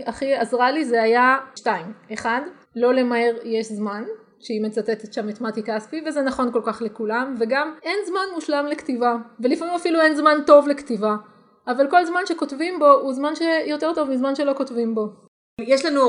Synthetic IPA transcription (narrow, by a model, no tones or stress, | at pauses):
ʔaχiazʁalizeajaʃtaime̞χad | lo̞le̞mae̞ʁjeʃzman | ʃeime̞t͡sat̪et̪et̪ʃamet̪matikaspivezenaχo̞nko̞lkaχlekulamve̞ɡame̞nzmanmuʃlamlektivavelifamimafiluenzmanto̞vlektivaː | valko̞lzmanʃe̞ko̞tvimbo̞uzmanʃe̞jo̞te̞ʁto̞vmizmanʃelo̞kotvimbo̞ | jeʃlanu